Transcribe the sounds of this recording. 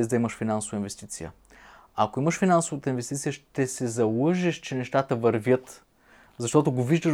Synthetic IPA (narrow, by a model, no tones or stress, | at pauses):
zd̪ɐiməʃfinansovəinvɛst̪it̪sijə̰ | akoiməʃfinansovət̪əinvɛst̪it̪sijəʃt̪ɛsɛzɐlˠɤʒɛʃt͡ʃɛnɛʃt̪at̪əvɐɾvʲjət̪ | zɐʃt̪ɔt̪oɡoviʒd̪əʃ